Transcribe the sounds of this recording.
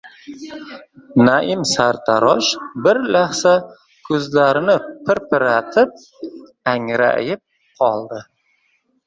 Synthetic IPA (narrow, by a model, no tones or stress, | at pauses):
naʔɪmsaɾt̪ʰaɾɒʃbɪɾlaχsa | kʰɵzlaɾɪnɪpʰɪɾpʰɪɾat̪ʰɪp̚ | aŋɾa̰ʔjɪp̚ | qʰɒlˠd̪ɪ